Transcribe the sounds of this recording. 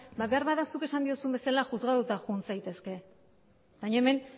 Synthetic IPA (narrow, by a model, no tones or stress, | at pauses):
baβeaɾβaðasuke̞sand̪iosumbe̞salaʝuzɣaðut̪axunsajt̪e̞ske̞ | bajɲaeme̞n